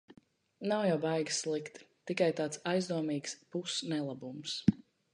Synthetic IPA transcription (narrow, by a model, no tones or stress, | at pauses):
nawjawvajɡslˠikt̪t̪ikajt̪aːt̪sajzd̪uɔmiːkspusnɛlˠabums